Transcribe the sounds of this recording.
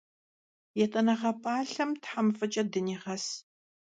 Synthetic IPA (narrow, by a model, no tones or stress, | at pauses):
jɛtʼɐnɐʁɐpʼaːɬɐmtħamfɐt͡ʃʼɐdɨniːʁɐs